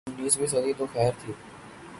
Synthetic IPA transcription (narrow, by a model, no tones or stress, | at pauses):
ʊnːiːsbisɐɾiːd̪oːxɛːɾt̪ʰi